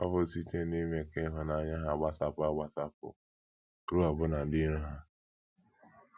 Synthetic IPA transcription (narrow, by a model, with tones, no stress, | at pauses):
ɔ˦vʊ˦˨si˦te˦ne˦me˨ke˦ɦʊ˨na˨˦ɲa˦ɦa˨ɡ͡ba˦sa˨pʊ˦a˨ɡ͡ba˦sa˦pʊ̰˨ | kɾu˦a˨bʊ˦na˨dɪ˦ɾu˦ɦa˦